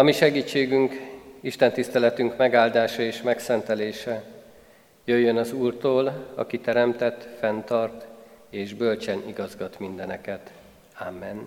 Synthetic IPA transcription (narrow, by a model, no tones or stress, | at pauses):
ɒmiʃɛɡiːt͡ʃːeːɡyŋkiʃt̪ɛnt̪ist̪ɛlɛt̪yŋkmɛɡaːld̪aːʃɒeːʃmɛksɛnt̪ɛleːʃɛ | jøjːø̞nɒzuːrt̪oːlɒ̰kit̪ɛɾɛmt̪ɛt̪ːfɛnt̪ɒrt̪eːʒbø̞lt͡ʃɛniɡɒzɡɒt̪mind̪ɛnɛkɛt̪ | amːɛn